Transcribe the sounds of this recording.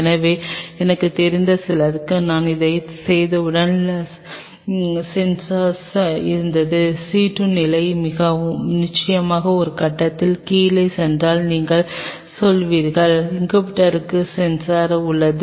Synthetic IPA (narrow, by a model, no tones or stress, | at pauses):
nɐʋeːɛnɐkːɯt̪ɛɾɪnd̪ɐsɪlɐɾɯkːɯnaːnɪðɐɪsɛjðɐɯɽɐn | sɛnsaːɾsɪɾɯnd̪ɐðɯsiːʈːɯnɪlɐɪmɪɣɐnɪt͡ʃːɐjɐmaːɣɐɔɾɯkɐʈːɐt̪ːɪlkiːlɐɪsɛndraːlniːŋɡɐɭ | sɔlʋiːɾɣɐɭɪŋɡɐpɪʈːɐɾɯkːɯsɛnsaːɾʊɭːɐðɯ